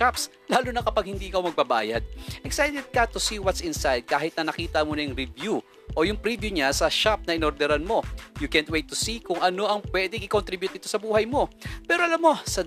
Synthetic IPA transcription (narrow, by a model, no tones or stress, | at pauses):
aps | laːlunɐkɐpaɡ̚hɪnd̪iːʔɪkawmɐɡ̚bɐba̰ːjɐd̪̚ʔɛksajt̪ɛd̪̚kɐt̪usiwɐt̪sɪnsajd̪̚kaːhɪt̪̚nɐnɐkiːt̪ɐmonɐjʊŋɾɪvju | ʔo̞jʊŋpɾibjuɲasɐʃap̚nɐʔɪnoɾd̪ɛɾanmo̞jʊkɛnt̪̚wejt̪ːʊsikʊŋɐno̞ʔɐŋpwɛːd̪ɪŋʔɪkont̪ɾɪbjʊt̪ʔɪt̪o̞sɐbuːhɐjmo̞pɛːɾoɐlamːo̞sɐ